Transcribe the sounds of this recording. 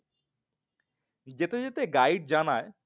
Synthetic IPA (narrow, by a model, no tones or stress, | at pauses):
d͡ʑet̪ed͡ʑet̪eɡajɖ̚d͡ʑanae